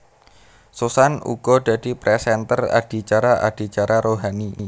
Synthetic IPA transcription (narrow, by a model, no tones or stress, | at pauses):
susanṵɡ̥ɔ̤d̪̥a̤d̥̪i̤pɾɛsɛnt̪əra̰d̥i̤t͡ʃaɾaʔa̰d̪̥i̤t͡ʃaɾaɾoɦani